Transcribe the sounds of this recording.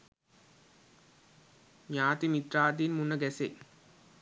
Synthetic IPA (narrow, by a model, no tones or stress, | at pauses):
ɲaːt̪imit̪ɾaːt̪̬inmunːəɡæse